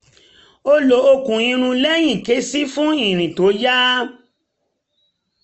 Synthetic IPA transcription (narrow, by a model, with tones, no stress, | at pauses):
o˦lo˨˦o˧kũ˨j̃ĩ˧ɾ̃ũ˧lɛ˦j̃ĩ˦˨ke˨˦si˦fũ˦ĩ˦˨ɾ̃ĩ˨to˨˦ja˦